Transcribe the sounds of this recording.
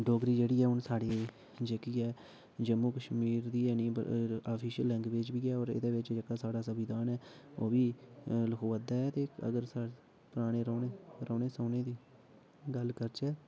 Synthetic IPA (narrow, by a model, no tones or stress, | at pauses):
ɖoːɡɾiːd͡ʒeːɽiːɛːʊnsaːɽeː | d͡ʒəkiːɛː | d͡ʒəmːuːkəʃmiːɾd̪iːɛːnĩːpə̰aːpʰiːʃəlːɛ̃ŋkʋɪt͡ʃbiːɛːɔːɾɪ̰d̪eːʋɪt͡ʃd͡ʒəkaːsaːɽaːsəʋɪd̪aːnɛːoːbiːləkʰoːʋəd̪aːɛːt̪eːə̰ɡəɾsa | pəɾaːɽ̃eːɾoːneɾoːneːsoːneːd̪iː | ɡəlkəɾt͡ʃɛː